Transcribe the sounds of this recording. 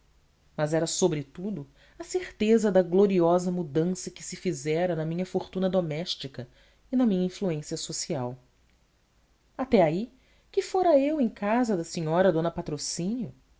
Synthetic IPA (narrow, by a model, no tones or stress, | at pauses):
mɐzɛɾɐsobɾɪt̪ud̪ʊ | ɐseɾt̪ezɐd̪ɐɡloɾiɔzɐmud̪ɐ̃sɐkɪ̥sɪfizɛɾɐnɐmĩɲɐfoɾt̪ũnɐd̪omɛʃt͡ʃikɐ | inɐmĩɲɐĩfluẽsiɐsosiaw | at̪ɛai | kɪfoɾɐewẽj̃kazɐd̪ɐsĩɲɔɾɐd̪õnɐpat̪ɾosĩnjʊ